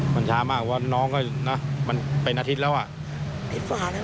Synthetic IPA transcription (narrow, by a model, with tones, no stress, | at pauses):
ma˧nt͡ɕʰaː˦˥maː˥˩k̚waː˧˥˩nɔː˦˥˩ŋa˧˥˩na˦˥ma˧npe˧nʔaː˧t̪ʰi˦˥t̪̚lɛː˦˥wʔa˨˩ʔ | a˧˩faː˨˩˦